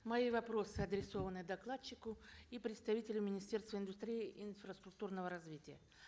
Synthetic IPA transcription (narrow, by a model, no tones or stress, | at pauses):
mɐivɐpɾo̞sɨɐd̪ɾʲɪso̞vənɨd̪ɐklˠat͡ɕːɪkʊipɾʲɪt̪st̪ɐvʲitʲɪlʲʊmʲɪnʲɪsʲtʲe̞rst̪vəɪnd̪ʊst̪ɾʲijɪʔɪnfɾəst̪ɾʊk̚t̪urnəvəɾɐzvʲitʲɪjə